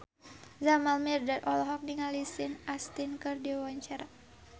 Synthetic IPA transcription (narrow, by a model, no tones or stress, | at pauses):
zamalmirdatɔlɔɦɔk̚niŋalisɪnast̪inkɨrdiawaɲt͡ʃaɾa